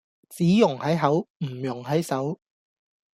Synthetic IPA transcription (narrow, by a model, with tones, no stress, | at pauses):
t͡siː˨˥jʊ˨˩ŋhɐ˨˥jɦɐ˨˥wm̩˨˩jʊ˨˩ŋɦɐ˨˥jsɐ˨˥w